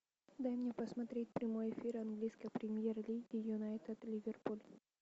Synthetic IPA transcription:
d̪amɲapasmat̪ɾit̪̚pɾimojfiɾaŋɡliskapɾimiɛɾlid̪ijunajt̪ɛd̪livɛrpul

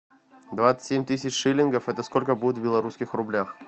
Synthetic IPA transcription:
d̪vat̪sɨ̥tʲemʲt̪ɨs̬ʲɪt͡ɕʂɨlʲɪnɡəfɛt̪əskolʲkəbudʲɪt̪vbʲɪlˠɐɾuskʲɪxrʊblʲax

